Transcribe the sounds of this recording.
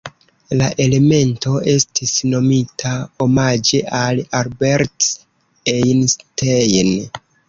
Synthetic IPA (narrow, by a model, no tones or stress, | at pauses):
laʔe̞le̞me̞nto̞ʔe̞stisno̞mitʰao̞mad͡ʒe̞ʔalalbeɾt | ejnstejn